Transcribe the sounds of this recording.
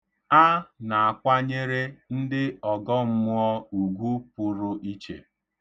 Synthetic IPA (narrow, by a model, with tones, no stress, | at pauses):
a˦na˨a˨kʷa˦ɲe˦ɾe˦n̩˦dɪ˦ɔ˨ɡɔ˦m̩˦mʊ˦ɔ˦u˨ɡʷu˦pʊ˨ɾʊ˦ʔi˦t͡ʃḛ˨